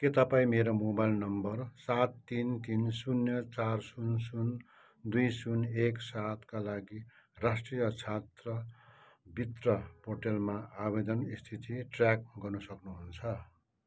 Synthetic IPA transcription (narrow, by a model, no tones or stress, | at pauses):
ket̪ʌpaĩmeɾomobajlnʌmbʌrsat̪ːint̪insunjʌt͡sarsunsun | d̪ujsuneksat̪kalaɡi | rasʈrijʌt͡sʰat̪rʌ | bʱit̪rʌporʈelmaabed̪ʌnist̪ʰit̪iʈrjak̚ɡʌrnusʌknuɦunt͡sʰʌ